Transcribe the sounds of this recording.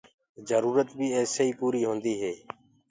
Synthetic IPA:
zəɾuːɾət̪bʱiːeːsiːpuːɾiːɦõːnd̪iːɦeː

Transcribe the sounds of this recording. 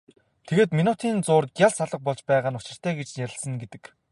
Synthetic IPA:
t̪ʰeɣeːt̪minut̪ʰiːnt͡sʊːrɡʲjaɮsaɮə̆q̚pɔɮt͡ɕpæːʁaːnʊt͡ɕɪ̆r̥t̪ʰæːɡet͡ɕnjæɾʲɪ̆ɮsə̆ŋɡet̪ɘ̆k

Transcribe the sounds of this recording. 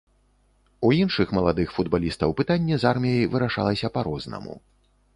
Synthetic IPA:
uinʂɨxmɐlˠad̪ɨxfud̪balʲist̪ɐwpɨt̪anʲːɛzarmʲijɐjvɨɾaʂa̰lˠɐsʲɐpaɾɔznɐ̰mṵ

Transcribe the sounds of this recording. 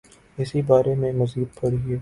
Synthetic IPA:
ɪsibaːɾemẽmɐziːd̪̚pɐɽɡɪeː

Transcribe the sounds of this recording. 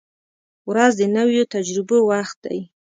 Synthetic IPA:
wɾazd̪ənawjot̪ad͡ʒɾɪbowaxt̪̚d̪a̰j

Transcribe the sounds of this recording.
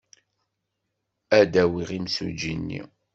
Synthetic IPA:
æd̪æwiʁimsṵd͡ʒinːḭ

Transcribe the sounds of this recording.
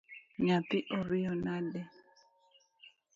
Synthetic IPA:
ɲat̪ɪʔɔɾijɔnadɛ

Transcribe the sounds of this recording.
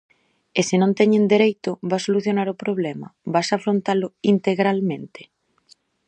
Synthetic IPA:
esɪnõnt̪ɛɲend̪eɾejt̪ʊβasoluθjonaɾʊpɾoβlɛmɐ̰βasafɾont̪alʊint̪eɣɾalmẽnt̪e̥

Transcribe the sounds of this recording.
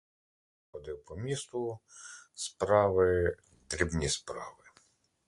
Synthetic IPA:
ɔd̪ɪwpɔmʲist̪ʊ | spɾɑʋɪ | d̪ɾʲibnʲispɾɑ̰ʋɪ

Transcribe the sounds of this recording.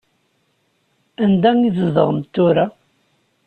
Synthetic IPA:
ænd̪æŋizəðəʁəmt̪ːʊɾa

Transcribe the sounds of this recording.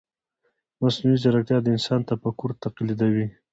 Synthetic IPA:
masnuizaɾak̚t̪jɑd̪əɪnsɑnt̪apəkʊɾt̪aqlid̪awi

